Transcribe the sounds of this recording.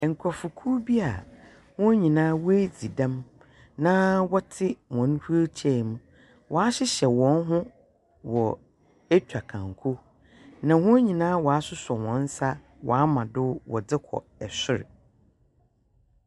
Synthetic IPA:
ɛ˨ŋ̩˨kʰɔ˨fʊ˨kʰu˦bi˦a˨ | hʊ̃˦ɲĩ˨nãː˦wɔ˦e˦d͡zi˨dã˦m | nã˦wɔ˦tʰɪ˦wɔ̃˨n˦hu˦o˦t͡ɕʰɛ˦˨m̃˦ | wʔɔ˨a˦ɕɪ˦ɕɛ˨wɔ̃˨˦n˦ɦʊ̃˦ | wɔ˨ | e˦t͡ɕᶣa˨kʰã˨ŋ˨kʰo˦ | nã˨hʊ̃˦æ˦ɲĩ˨nãː˦wɔ˨a˦sʊ˦sɔ˨wɔ̃˨n̩˦sa˦ | wɔ̰˨a˦mã˨dʊ˦wɔ̰˨d͡zɪ˦kʰɔ̰˨ | ɛ˨sʊ˦ɾɪ̰˨

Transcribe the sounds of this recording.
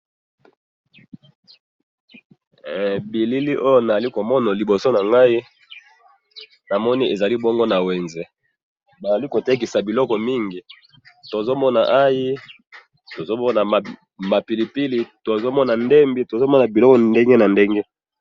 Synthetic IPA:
bi˨li˦li˦ʔo˦jo˦na˨za˨li˦ko˨mɔ˦na˨li˨bo˨so˦na˨ŋɡa˦i˦ | na˨mɔ˦ni˦ʔe˨za˨li˦bɔ˦ŋɡo˦na˨we˨nzɛ˨ | ba˨za˨li˦ko˨te˦k̬i˨sa˨bi˨lɔ˦kɔ˨mi˦ŋɡi˨ | to˨zo˦mɔ˦na˨ʔa˦ji˦ | to˨zo˦mɔ˦na˨ | ma˨pi˨li˨pi˦li˨to˨zo˦mɔ˦na˨nde˦mbi˦to˨zo˦mɔ˦na˨bi˨lɔ˦kɔ˨nde˦ŋɡe˦na˨nde˦ŋɡe˦

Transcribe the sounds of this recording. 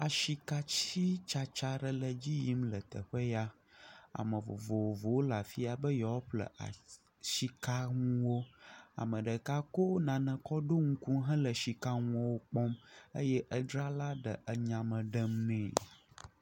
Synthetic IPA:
a˨ʃi˨ka˦t͡ɕi˦t͡ʃa˨t͡ʃa˦ɖə˨lə˨d͡ʑi˦ji˦mlə˨t̪ə̰˨ɸə˦ja˦ | a̰˨mə̃˨vo̰˨vo˨wo˨vo˨wo˦la˨fi˦a˨bə˦jɔ˨wo˦ɸlə̰˨ʔa̰˨ | ʃi˦ka˦ŋũ˦wo˦a̰˨mə̃˨ɖə˨ka˦ko˦nã˨nə̃˨kɔ˦ɖo˦ŋu˦ku˦ɦɛ̃˦lə˨ʃi˨ka˦ŋũ˦wo˦k͡pɔ˦mə˦jɛ˦ʔə˦ɖɾa˦la˦ɖə˨ʔə˨ɲã˨mə̃˨ɖə˦mnɛ̃˨

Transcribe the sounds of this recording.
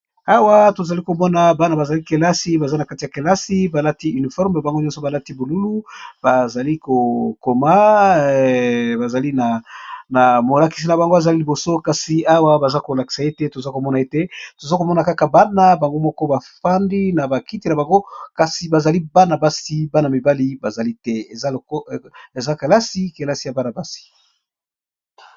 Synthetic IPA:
a˦wa˦to˨za˨li˦ko˨mɔ˦na˨ba˦na˨ba˨za˨li˦ke˨la˦si˦ba˨za˦na˨ka˦ti˨ja˨ke˨la˦si˦ba˨la˦ti˦y˨ni˨fɔ˦ʁme˨ba˨ŋɡo˦ɲɔ̃˦sɔ˨ba˨la˦ti˦bo˨lu˦lu˦ba˨za˨li˦ko˨ko˨ma˦ | ba˨za˨li˦na˨na˨mo˨la˨ki̥˨s̬i˨na˨ba˨ŋɡo˦a˨za˨li˦li˨bo˨so˦ka˨si˨a˦wa˦ba˨za˦ko˨la˨ki̥˨sa˨e˦te˦to˨za˦ko˨mɔ˦na˨e˦te˦to˨za˦ko˨mɔ˦na˨ka˦ka˨ba˦na˦ba˨ŋɡo˦mɔ˦kɔ˦ba˨fa˦ndi˦na˨ba˨ki˦ti˦na˨ba˨ŋɡo˦ka˨si˨ba˨za˨li˦ba˦na˨ba˦si˦ba˦na˨mi˨ba˦li˦ba˨za˨li˦tɛ˦e˨za˦˨˦e˨za˦ke˨la˦si˦ke˨la˦si˨ja˨ba˦na˨ba˦si̥˨

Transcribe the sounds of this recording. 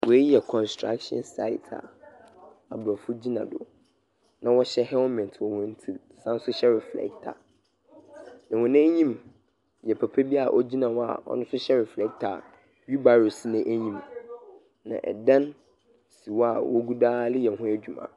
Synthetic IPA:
wɔ˨e˦ji˦ɛ˨kʰɔ̃˨nstʰɹɾa̰˦kʃɔ̰̃˦nsa̰˦ɪ̰˨tʰa̰˨ | a˨bɾɔ˨fʊ˦d͡ʑi˦nã̰˨dʊ̰˨ | nã˨wɔ˦ɕɛ˦hɛ˦wɔ˦mɛ̃˨ntʰwɔ˨wɔ̃˦n̩˦tʰi˦lsã˦n˦sʊ˦ɕɛ˦ɾɛ˨flɛ̰˦k̚tʰa̰˨ | nã˨wɔ̃˨nɪ̃˦ɲĩ˦m | jɛ˨pʰɛ˨pʰɛ˦bi˦a˨ʔɔ˦d͡ʑi˦nã˨wɔ˦a̰˨ɔ̰˦nʊ̃˦sʊ˦ɕɛ˦ɾɛ˨flɛ˦k̚tʰa̰˨ | ɥi˦ba˨ɾo˨si˦nɪ̃˦ʔæ˦ɲĩ˦m | nã̰˨ʔɛ̰˨dã˦n | si˨wɔ˦a˨wɔ˦ɡu˦daː˦lɪ˦jɛ˨n˨ɦʊ̃˦æ˦˨d͡ʑᶣu˨mã̰ː˨

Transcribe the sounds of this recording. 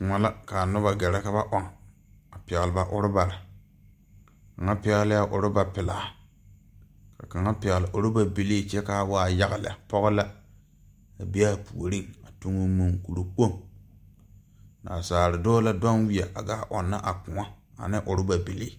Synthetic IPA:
kŋa˨la˦ka˨nʊ˦ba˨ɡɛ˨ɾɛ˦ka˦βa˦ʔɔ˦ŋ | a˨pɪ˨ɣɪ˨lɪ˨ba˨ʔʊ˨ɾɪ˦ba˨ɾɪ˨ | ka˨ŋa˦pɪ˦ɣlɪ˦a˦ʔʊ˨ɾɪ˦ba˨pɪ˨laː˨ | ka˨ka˨ŋa˦pɪ˨ɣɪ˨lɪ˨ʔʊ˨ɾɪ˦ba˦bi˨li˦t͡ʃɛ˦ka˦waː˦ja˦ɣɪ˨lɪ̰˨a˨pɔ˦ɣʊ˦la˦ | a˨bi˦a˦˨pu˨o˨ɾi˦ŋa˨tu˦ŋʊ˦mu˨ŋku˨ɾu˨k͡po˦˨ŋ | na̰˨saː˨ɾɪ˨dɔː˦la˦da˦nwi˦a˨ʔa˨ɡa˦˨ʔɔ˨nːa˦ʔa˨k͡pʊ˨ŋa˦a̰˨nɪ˦ʔʊ˨ɾɪ˦ba˨bi˨li˦˨

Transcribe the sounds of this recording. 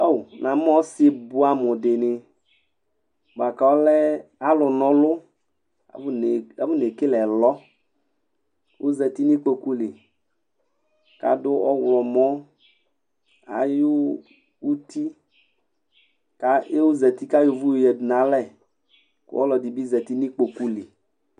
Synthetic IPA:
o˦˨wnã˨m˦ɔ˦se˦bʊ˦a˨mʊ˨dɪ˨nɪ˨ | ba˨ka˨wɔ˦lɛ˦a˦lʊ˨nɔ̃˨˦lʊ˦ | a̰˨˦n˨a˨vʊ˦ne˨kɪ˦lɛ˨lɔ˦ | wʊ˦zɛ˨t̪i˦ni˦k͡po˨ku˦lɪ˨ | ka̰˨dʊ˦ɔ˦wlɔ˨mɔ˦ | a̰˨jʊ˦ | u˦t̪i˦ | ka˦e˦wʊ˦zɛ˨t̪i˦ka˦jʊ˨vu˦jjɛ˨dʊ˨nã˨˦lɛ˦˨ | kʊ̰˦wɔ̰˦lɔ˨di˨bi˦zɛ˨t̪i˦ni˦k͡po˨ku˦lɪ˨

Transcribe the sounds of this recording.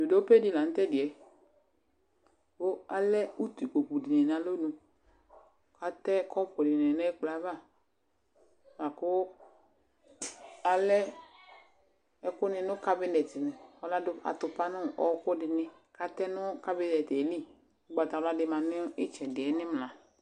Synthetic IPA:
du˨do˦pe˦dɪ˨˦la˨n̩˦tɛ˦dɪ˨ɛ˨ | o˦a˨lɛ˦u˦t̪u˨ko˨ku˨dɪ˨nɛ˨n˨a˨lo˦nũ˨ | ka˦tɛ˦kʰɔ˦pʊ˨dɪ˨nɛ˨nɛ˦k͡pla˨˦va˦˨ | ma˨kʊ˦ | a˨lɛ˦ | ɛ˦kʊ˦nɪ˧nʊ˦ka˦bɪ˦nɛ˨tɪ˨nɛ˨ɔ˦la˦dʊ˧a̰˨tʊ˨pa˦nʊ˦˨ʔɔ˦kʊ˦dɪ˨nɪ̃˦ | ka˨˦tɛ˦nʊ˦ka˦bi˦nɛ˨te˨˦li˦˨ | ɔ˦ɡ͡ba˨ta˨ɔ˦la˦dɪ˧ma˨nɪ˦ɪ˦t͡ʃɛ˨dɪ˨ɛ˨˦nɪ˦m˨lã˨

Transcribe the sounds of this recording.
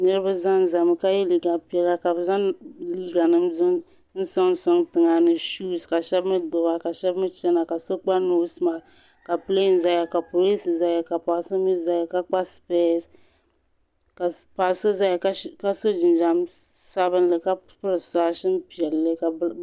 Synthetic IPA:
nɨ˦ɾɨ˦ba˦za˦n˦˨za˨m˨ka˦jɛ˦li˦˨ɡa˨pi˦ɛ˨la˦ka˨bɨ˨za˦nliː˦ɡa˨nɨ˦mzʊ˦ | n̩˦sɔ˦ŋ˦sɔ˦ŋtɨ˨ŋa˨nɨ˨ʃu˦ska˨ʃɛ˦bmɨ˦ɡ͡bʊ˨ba˦ka˨ʃɛ˦bmɨ˦t͡ʃɛ˦na˨ka˨so˦k͡pa˦no˦sma˨ | ka˨pɨ˦le˦n˦za˦ja˨ka˨po˨li˦sza˦ja˨ka˨pa˨so˦mi˦za˨˦ja˨ka˦k͡pa˦spe˦˨s | ka˨pa˨so˦za˦jka˦ka˦so˦d͡ʒɪ˨n˨d͡ʒa˨m | sa˦bɨ˦n˦lɨ˨ka˦pɨ˦ɾɨ˨sa˨ʃɪ˦n˦pi˨ɛ˨lːɨ˦ka˨˦

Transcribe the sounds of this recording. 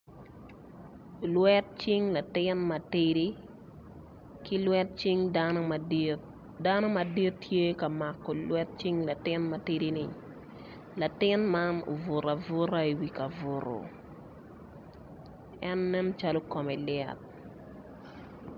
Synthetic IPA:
lwɛ˦t̚t͡ʃɪ˦ŋla˨tɪnma˨tiɾi˦ | kɪ˦lwɛ˦t̚t͡ʃi˦ŋdanmt | da˦no˦ma˨di˦ttːʰje˦ka˨ma˨kːɔ˨lwɛ˦t̚t͡ʃi˦ŋla˨tɪ˦nma˨ti˦di˦nɪ˨ | la˨tɪ˦nma˦no̰˨vʊ˨ɾa˨vʊ˦ɾa˦i˨wi˨ka˨vʊ˨ɾo̰˨ | ɛ˦nːɛ˦n˦t͡ʃa˦lo˦kɔ˨mɛ˨lɪɛ̰˨t̚

